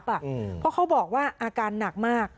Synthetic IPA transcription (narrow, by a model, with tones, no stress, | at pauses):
pa˨˩ʔpʰɔ˦˥kʰa˦˥wbɔː˨˩k̚waː˥˩ʔaː˧kaː˧nːa˨˩k̚maː˥˩k̚